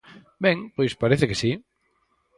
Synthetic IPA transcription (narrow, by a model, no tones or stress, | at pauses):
bɛŋpojspaɾeθekesi